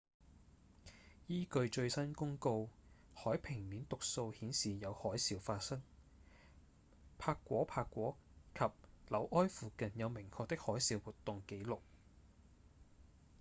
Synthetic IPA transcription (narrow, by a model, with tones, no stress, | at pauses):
jiː˥kɵ˧ɥt͡ʃɵ˧ɥsɐ˥nkʊ˥ŋko˧whɔː˨˥jpʰɪ˨˩ŋni˨˥nt̪ʊ˨k̚so˧whiː˨˥nsiː˨jɐ˨˧whɔː˨˥jsiː˨˧wfaː˧t̚sɐ˥ŋ | pʰaː˧kːʷɔː˨˥pʰaː˧kːʷɔː˨˥kʰɐ˨p̚lɐ˨˥wʔɔː˥jfuː˨kɐ˨njɐ˨˧wmɪ˨˩ŋkʰɔː˧k̚t̪ɪ˥k̚hɔː˨˥jsiː˧wwuː˨˩t̪ːʊ˨ŋke˨˥jlʊ˨k̚